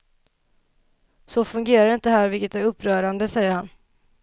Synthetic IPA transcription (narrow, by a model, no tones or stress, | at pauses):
sɔfɵŋɡeːɾaɾɪnt̪əɦæːɾvɪlkət̪æɾɵpʰːɾœːɾand̪əsɛjːəɾhan